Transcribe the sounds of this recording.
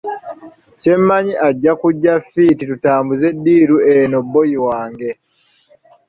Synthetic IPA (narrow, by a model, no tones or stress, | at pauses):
ce̞mːaɲiʔaɟːakuɟːafititutaːmbuze̞dːiːɾueno̞bːo̞jiwaːŋɡe̞